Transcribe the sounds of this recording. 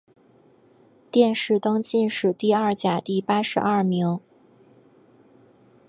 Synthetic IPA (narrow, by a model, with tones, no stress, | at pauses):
t̪jɛ˥˧nʂɻ̩˥˩t̪ɤ˥ŋt͡ɕi˥˧nʂɻ̩˥˩t̪i˥˧ɐ˥˩t͡ɕja˨˩t̪i˥˩pa˥ʂɻ̩˧˥ʔɐ˥˩mi˧˥ŋ